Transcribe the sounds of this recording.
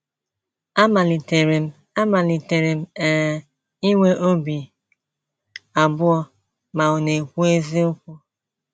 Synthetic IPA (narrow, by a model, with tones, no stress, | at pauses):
a˦ma˨li˨te˨ɾe˨m̩˦ | a˦ma˨li˨te˨ɾe˨m̩˦ɛ˨ | i˦ŋʷe˦ʔo˦bi˨ | a˨bʊ˦ɔ˦ | ma˨ʊ˨ne˨kʷu˦e˦zi˦ʊ˦kʷɔ˦